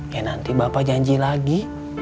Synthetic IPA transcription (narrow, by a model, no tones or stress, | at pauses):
janant̪ibapad͡ʒaɲd͡ʒilaɡi